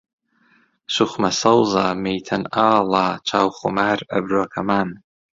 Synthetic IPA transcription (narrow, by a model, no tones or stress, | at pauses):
ʃʷʊχʷmasalzamejtʰanalaːt͡ʃʷʰawχʷʊmara̰brɨakʰaman